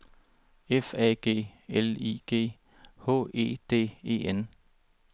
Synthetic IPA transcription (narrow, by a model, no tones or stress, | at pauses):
efɛ̰ːɡ̥e̝̰ːelḭːɡ̥e̝̰ː | hɔ̰̽ːe̝̰ːd̥e̝̰ːe̝̰ːen